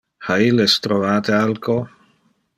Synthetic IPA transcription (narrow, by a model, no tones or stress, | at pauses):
hailest̪ɾovaːt̪ealkʰo